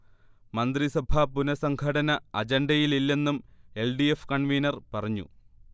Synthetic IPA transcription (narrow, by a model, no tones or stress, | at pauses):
mɐnd̪risɐbʱaːpunɐsɐŋɡʰʱɐɽɐnɐɐd͡ʑeɳɖɐjililːe̞nːume̞lɖijefkɐɳʋijnɐrpɐrɐɲːṵ